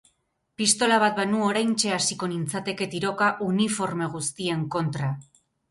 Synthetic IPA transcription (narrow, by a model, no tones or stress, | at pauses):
pist̪o̞laβ̞at̪̚banuo̞ɾajnt͡ʃe̞asiko̞nint͡sat̪e̞ke̞t̪iɾo̞kaʔunifo̞ɾme̞ɣ̞ust̪ie̞ŋko̞nt̪ɾa